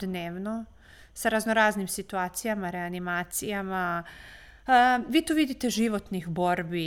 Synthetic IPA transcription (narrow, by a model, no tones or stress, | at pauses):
neːʋno | saɾaznoɾaːznimsit̪uaːt̪sijamaɾeanimaːt̪sijama | ʋiːt̪oʋid̪it̪e̞ʒiʋo̞t̪nixbo̞ɾbi